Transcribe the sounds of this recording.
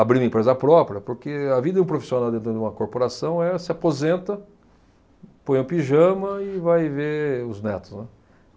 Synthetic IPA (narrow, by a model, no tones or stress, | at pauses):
abɾiũĩpɾezɐpɾɔpɾʲjɐpoɾkeɐvid̪ɐd͡ʒɪũpɾofi̥sionawd̪ẽnt̪ɾʊd̪ɪũmɐkoɾpoɾasɐ̃w̃ɛsɪapozẽnt̪ɐ | põj̃ʊ̃piʒɐ̃mɐɪvajveʊznɛt̪ʊ̥snɛ